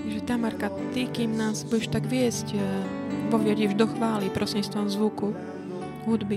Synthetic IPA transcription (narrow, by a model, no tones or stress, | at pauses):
t̪ʒɛt̪amaɾkat̪ikiːmnaːzbujɛʃt̪aɡʋɪɛsc | pɔʋɪɛɟɛʒd̪ɔxʋaːlipɾʔɔsiɲist̪ʋɔmzʋuku | ɦud̪bi